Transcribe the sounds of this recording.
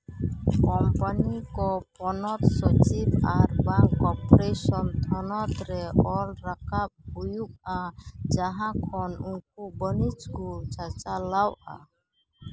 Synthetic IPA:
kɔmpanikɔpɔnɔt̪sɔt͡ʃibaɾbaŋkɔpɔɾesɔnt̪ʰɔnɔt̪ɾɛʔɔlɾakap̚hujuk̚ad͡ʒaɦãkʰɔnunkubənit͡ʃkut͡ʃat͡ʃalawʔa̰

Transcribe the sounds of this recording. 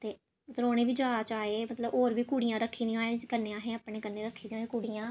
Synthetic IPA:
t̪eː | mət̪ləoːɽeːʋiːd͡ʒəaːt͡ʃaːeːmət̪ləboːɾʋiːkuːɽijãːɾəkʰːiːd̪ĩãːekəneːãːɦɛ̃ːəːpɳẽːkənːeːɾəkʰːiːd̪ĩːɦẽːkuːɽijãː

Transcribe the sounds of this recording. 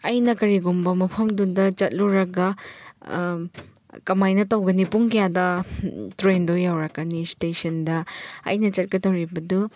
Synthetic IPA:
ɐjnɐkɐɾiɡumbɐmɐpʰɐmduŋdɐt͡ʃɐt̚luɾɐɡɐ | kɐmajnɐtɐwɡɐnipuŋkɐjadɐtɾendojawɾɐkːɐnistesɐndɐɐ̰jnɐt͡ʃɐt̚kɐdɐwɾibɐdu

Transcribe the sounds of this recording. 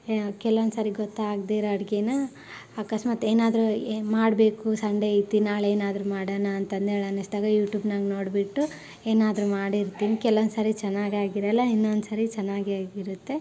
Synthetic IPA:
kɛlʋond̪sɐɾiɡot̪ːaːɡd̪iɾɐɽɡenɐ | akɐsmaːt̪eːnaːd̪ɾumaːɽbe̞ːkusɐɳɖeit̪ːinaːɭeːnaːd̪ɾumaːɽɐːnɐːnt̪ɐnd̪eːɭɐnːɐsd̪aːɡɐjuːʈjuːbnaɡnoːɽbiʈːu | eːnaːd̪ɾumaːɽiɾt̪iːnikɛlond̪sɐɾit͡ʃɐnːaːɡaːɡiɾɛlːɐinːond̪usɐɾit͡ʃɐnːaːɡaːɡiɾut̪ːe̞

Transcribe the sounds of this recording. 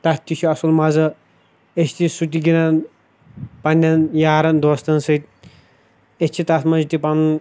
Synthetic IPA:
t̪ɐt̪ʰʲːit͡ʃʰuɐsulmɐzɐ | et͡ʃt̪isut̪̬iɡinɐn | pɐnʲːɐnjaːɾɐnd̪ost̪ɐnsɐt̪̚ʲ | et͡ʃʰit̪ɐt̪mɐnd͡ʒit̪ipɐn

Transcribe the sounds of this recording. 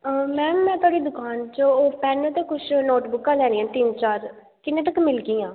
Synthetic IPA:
mɛ̃ːmɛ̃ːt̪ʊwaːɽiːd̪ʊkaːnt͡ʃəoːpɛːnot̪eːkʊt͡ʃʰnoːʈbʊkːãːlɛːniːãːt̪ɪnt͡ʃaːɾ | kɪnːẽːʈ̪əkmɪlɡiːãː

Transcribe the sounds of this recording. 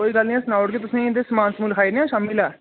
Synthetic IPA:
oːiːɡəlnĩɛ̃snaːʊʈket̪ʊsẽːd̪eːsəmãːnsmuːlkʰaːinẽãːʃaːmɪlɛː

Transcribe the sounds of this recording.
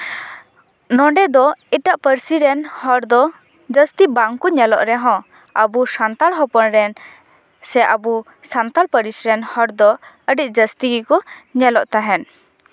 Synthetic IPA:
nɔɳɖɛd̪ɔiʈaʔpəɾsiɾɛnhɔɾd̪ɔ | d͡ʒəst̪ibaŋkuɲɛlɔ̰ʔɾɛɦɔ̃ | əbusant̪alɦɔpɔnɾɛn | sɛʔabu | sant̪alpəɾisɾɛnhɔɾd̪ɔ | əɖic̚ˀd͡ʒəst̪iɡikɔɲɛlɔʔt̪aɦɛn

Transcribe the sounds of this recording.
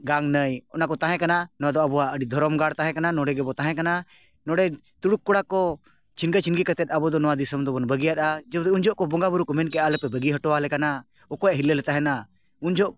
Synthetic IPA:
ɡaŋnəjɔnakɔt̪ãɦɛ̃kananɔwad̪ɔəbɔwaʔəɖid̪ʱɔɾɔmɡaɽt̪ãɦɛ̃kananɔ̃ɽɛɡɛbɔt̪ãɦɛ̃kana | nɔ̃ɽɛ | t̪uɽukːɔɽakɔ | t͡ʃʰinɡat͡ʃʰinɡikət̪ɛt̪̚ˀabɔd̪ɔnɔwãd̪isəmd̪ɔbɔnbəɡijaɗ̪ad͡ʒɛbd̪ɛund͡ʒɔʔkɔbɔŋɡabuɾukɔmɛnkɛalɛpɛbəɡiɦəʈɔalɛkana | ɔkɔjaʔɦilːɛlɛt̪aɦɛ̃na | und͡ʒʱɔʔ

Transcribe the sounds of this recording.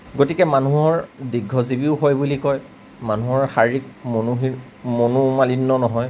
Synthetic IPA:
ɡotikɛmanuɦɔɹdiɡʱɔzibiʊɦojbulikɔj | manuɦɔɹxaɹik̚monuɦi | monumalinːɔnɔɦɔj

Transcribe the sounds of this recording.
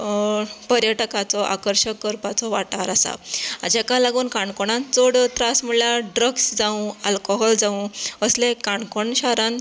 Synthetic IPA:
pəɾjəʈəkat͡sɔʔa̰kəɾɕəkːəɾpat͡sɔʋaʈaɾasa̰ad͡ʑakalaɡuːnkaɳkoɽãnt͡soɽt̪ɾasm̤əɽljaɖɾəɡsd͡zaũalkɔɦɔld͡zãũəslẽkaɳkoɳɕaɾan

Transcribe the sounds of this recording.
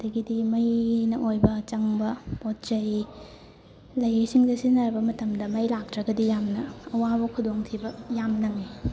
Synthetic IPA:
ɐdɐɡidimɐjnɐʔojbɐt͡ʃɐŋbɐpot̚t͡ʃɐj | lɐjisiŋdɐsinɐɾbɐmɐtɐmdɐmɐjlak̚tɾɐɡɐdijamnɐɐwabɐkʰudoŋtʰibɐjamnɐŋi

